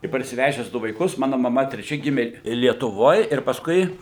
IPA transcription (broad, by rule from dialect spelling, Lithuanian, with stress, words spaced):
ɪ pɐrʲsʲɪˈʋʲæːʒʲɛs ˈdʊ ʋɐɪˈkʊs ˈmɑːnʊ mɐˈmɐ tʲrʲɛˈt͡ʃʲɛ ˈɡʲɪmʲeː lʲiɛtʊˈʋoːj ɪr pɐˈskʊɪ